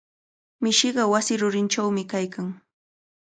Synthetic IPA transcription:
mɪʃɪɢɑwasɪɾʊɾɪnt͡ʃawmɪkajkaŋ

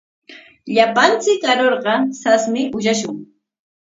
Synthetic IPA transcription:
ʎapant͡sɪkːaɾoɾɢɑsasmɪʊʃaʃʊŋ

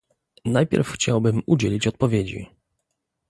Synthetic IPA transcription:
najpʲjɛ̰ɾfxt͡ɕawbɘmud͡ʑelʲit͡ɕɔt̪̚pɔvʲed͡ʑḭ

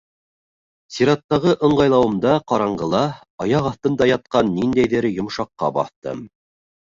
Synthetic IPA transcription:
sʲiɾɑt̪ːɑʁɤʔɤ̆ɴɢɑjlˠɑwɤ̆md̪ɑqɑɾɑɴɢɤ̆lˠɑ | ɑjɑqɑθt̪ɤ̆nd̪ɑjɑt̪̚qɑnːind̪æjðɘɾjŏmʃɑqːɑ̰bɑ̰θt̪ɤ̰m

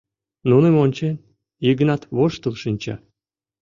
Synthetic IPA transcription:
nunemonʲt͡ɕen | iɡənɑt̪βoʃt̪əlʃinʲt͡ɕɑ̰

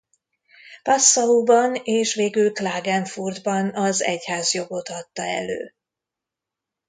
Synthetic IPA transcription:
pɒsːɒuːbɒneːʃveːɡylklaːɡɛɱfurd̪bɒnɒzɛ̰chaːzjo̞ɡo̞t̪ɒt̪ːɒɛ̰lø̰ː

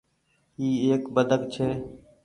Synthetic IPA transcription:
iːeːkbəd̪ʱəkt͡ʃʰeː

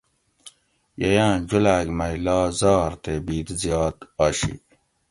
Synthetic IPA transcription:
jɐjãːd͡ʑulaːɡmɐjlɑːzɑːɾt̪ebiːd̪zjɑːt̪ɑːɕḭ

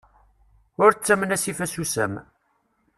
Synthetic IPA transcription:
ʊɾt͡sːæmənæsifæsusæ̰m

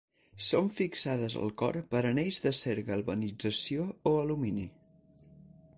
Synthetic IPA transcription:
soɱfiksað̞əzə̰lˠkɔ̰ɾpəɾənejzðəseɾɣəlˠβənid͡zəsioːəlumini

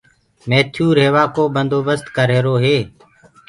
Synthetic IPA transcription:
meːt̪ʰjuːɾɦeːʋaːkoːbənd̪oːbəst̪kəɾeːɾoːɦeː

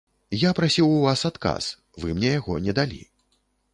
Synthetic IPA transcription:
japɾasʲiwuvasat̪ka̰s | vɨmnʲɛjaɣɔnʲɛd̪alʲḭ

